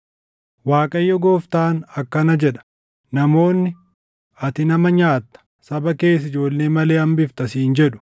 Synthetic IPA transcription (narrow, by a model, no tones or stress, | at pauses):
waːkʼɐjːɔɡoːft̪aːnɐkːɐnɐd͡ʒɛᶑɐ̥ | nɐmo̞ːnːɪ | ɐt̪ɪnɐmɐɲaːt̪ːɐ̥ | sɐbɐke̞ːs̬ɪd͡ʒo̞ːlːe̞ːmɐle̞ːɐmbɪft̪ɐsiːnd͡ʒɛᶑʊ̥